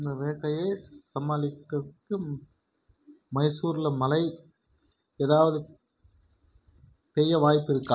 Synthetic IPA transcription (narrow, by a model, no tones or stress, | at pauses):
ɪnd̪ɐʋeːɣɐjɐɪsɐmaːlɪkːɐðɯkːɯ | mɐɪsuːɾɪlɐmɐlɐɪ | eːðaːʋɐðɯ | pɛjːɐʋaːjpːɪɾɯkːa̰ː